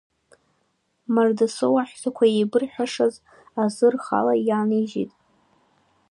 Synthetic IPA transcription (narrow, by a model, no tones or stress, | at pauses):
mardasɨwaħᶣsʰakʷʰaejbɨrħʷᶣaʂaz | azɨrχa̰lajaniʒḭtʼ